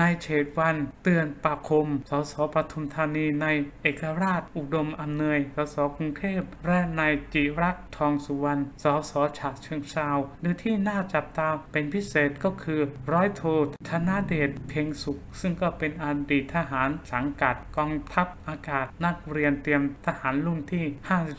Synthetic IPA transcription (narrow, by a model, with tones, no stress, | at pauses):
na˧jt͡ɕʰeː˨˩t̪̚wa˧nt̪ɯ˧ənpaː˧kʰo˧msɔː˩˦sɔː˩˦pɾa˧t̪ʰu˧mt̪ʰaː˧niː˧na˧jʔeː˨˩kːa˧ɾaː˥˩t̪̚ʔu˨˩do˧mʔa˧mnɯ˧əjsɔː˩˦sɔː˩˦ku˧ŋt̪ʰeː˥˩p̚ɾɛ˦˥na˧jt͡ɕi˨˩ɾa˦˥k̚t̪ʰɔː˧ŋsu˨˧˦wa˧nsɔː˩˦sɔː˩˦t͡ɕʰa˨˩t̚t͡ɕʰɯ˧əŋsaː˧wdɯː˧t̪ʰiː˥˩naː˥˩t͡ɕa˨˩p̚t̪aː˧pe˧npʰi˦˥seː˨˩t̪̚kɔː˥˩kʰɯː˧ɾɔː˦˥jt̪ʰoː˧t̪ʰa˧na˦˥deː˨˩t̪̚pʰe˧ŋsu˨˩k̚sɯ˥˩ŋkɔː˥˩pe˧nʔa˧diː˨˩t̪ʰːa˧ɦaː˩˦nsa˩˦ŋka˨˩t̪̚kɔː˧ŋt̪ʰa˦˥p̚ʔaː˧kaː˨˩t̪̚na˦˥˩k̚ɾi˧ənt̪i˧əmt̪ʰa˧haː˩˦nlu˥˩ŋt̪ʰiː˥˩haː˥˩si˨˩